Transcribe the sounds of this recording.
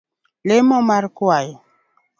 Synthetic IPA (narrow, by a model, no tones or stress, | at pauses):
lemɔmaɾkuajɔ